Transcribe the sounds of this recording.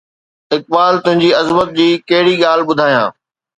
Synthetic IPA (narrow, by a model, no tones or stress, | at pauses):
ɪk̚baːlt̪ʊ̃ɦɪ̃ɲd͡ʑiːɐzmət̪̚d͡ʑiːkɐɦɪɽiɠaːlɓʊd̪ʱaːijãː